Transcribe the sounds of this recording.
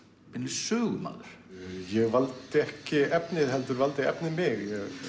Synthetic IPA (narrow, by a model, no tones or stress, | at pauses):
ɪnlɪsœːɣʏma̰ːlʏɾ̥jɛɣvalt̪ɪɛhcɪɛpnɪðhɛlt̪ʏɾvalt̪ɪɛ̰pnɪmɪɣjɛɣ